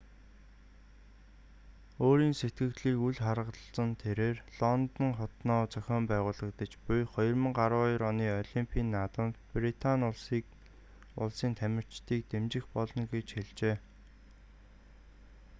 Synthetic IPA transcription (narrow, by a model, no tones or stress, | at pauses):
oːɾiːnset̪ɡɘ̆kt̪ɮiːkuɮχaɾə̆t͡sə̆nt̪ʰeɾeːrɮ̥ɔnt̪ə̆ŋχɔt̪nɔːt͡sœxʲɔːmpæːʁʊːɮə̆k̚t̪ə̆t͡ɕpʊjχɔjɞ̆rmə̆ŋɢaɾʊːɾɔniːɔɮimpʰiːnːat̪ə̆nt̪prit̪ʰanʊɮsiːk | ʊ̰ɮsiːnt̪ʰæmʲɪ̆r̥t͡ɕt̪ʰiːk̚t̪emt͡ɕɪ̆xpɔɮɞ̆ŋɡet͡ɕxeɮt͡ɕeː